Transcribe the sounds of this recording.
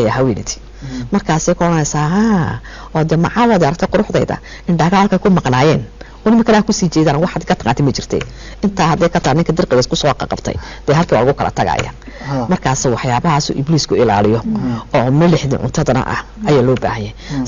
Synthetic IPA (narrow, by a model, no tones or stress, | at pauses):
jaɦɐwɛːnɛt̪ʰi̥ | mɐrkʰaːsɛjkʰʊɽɐnɛsaːɦaː | ɔːd̪ɛmɑ̰ʕawɔðɪaɾɐk̚t̪ʰɛqʊɾʊħd̪ɛ̰jðɐ̰ | ɪnɖɐɣaːlkʰɐkʰʊmɑqnaːjɛːn | ɔːnɪmɪkʰɐnːkʰʊsiːt͡ʃɛjðaːnwɑħɑd̪kʰɐt̪ɐqaːnt̪ʰɪmɐt͡ʃɪr̥t̪ʰɛ̰j | ɪnt̪ʰaːhɐd̪ɛːkʰɐt̪ʰanːɪŋkʰɐd̪ɐrqɛɣɛskʰʊsɔːqɑ̰qɑbt̪ʰɛ̰j | d̪̥ɛːhɐlkʰiːwa̰ːlɐɣʊkʰɐlɐ̰t̪ʰɐɣa̰ːja̰ː | mɐrkʰaːsɛwɑħjaːβɐɦaːsṵːʔɪbliːskʰʊɪla̰ːlɪjɔɔːmɐlɪħdḭʕʊ̰nt̪ʰɐðɐnɐ̰ʔɐ̰h | ʔɐjaːlɔːba̰ːhɐjɪɛ